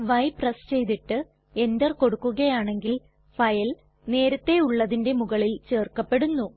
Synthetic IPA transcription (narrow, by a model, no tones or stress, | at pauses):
ʋɐjprɐst͡ɕe̞jt̪iʈːɨ | e̞nd̪ɐrko̞ɽukːuɣɐjaːɳe̞ŋɡil | fɐjɐl | ne̞ːɾɐt̪ːe̞uɭːɐðinde̞muɣɐɭilt͡ɕe̞ːrkːɐpːe̞ɽunːu